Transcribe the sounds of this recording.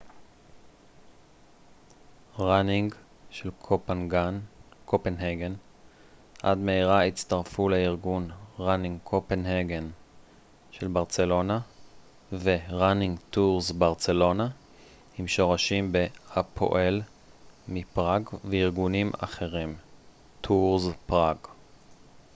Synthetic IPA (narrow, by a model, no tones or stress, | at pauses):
ʁaniŋɡ | ʃelkʰopenɡankʰopenheɡen | ʔa̰dmeiʁait͡staʁfuleiʁɡunʁaniŋɡkʰopenheɡen | ʃelbaʁt͡se̞lo̞na | veʁaniŋɡtuʁzbaʁt͡se̞lo̞na | himʃo̞ʁaʃimbehapʰo̰ʔel | mipʁaɡveiʁɡunima̰χe̞ʁim | tʰuʁzpʁaɡ